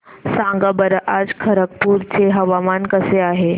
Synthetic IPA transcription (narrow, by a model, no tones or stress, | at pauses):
sãŋɡabəɾʔad͡zkʰəɾək̚puːɾt͡seɦɐʋamankəseaɦe